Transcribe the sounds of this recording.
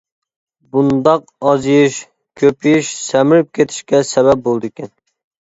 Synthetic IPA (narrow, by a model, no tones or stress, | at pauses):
bund̪ɑq | ɑzjiʃ | kʲʰøpʰijiʃsɛmɪɾyp̚kʲʰet̪ʰɪ̥ʃkʲɛsɛβɛp̚bolˠd̪ɨkʲɛn